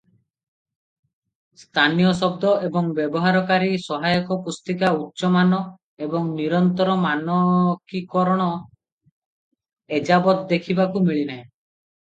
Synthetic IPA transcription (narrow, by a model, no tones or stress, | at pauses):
st̪ʰanijɔsɔb̚d̪ɔʔebɔŋbjebɔɦaɾɔkaɾisɔɦajɔkɔpust̪ikautːʃɔmanɔ | ebɔŋniɾɔnt̪ɔɾɔmanɔkikɔɾɔɽ̃ɔ | ed͡ʒabɔt̪d̪ekʰibakumiɭinaẽ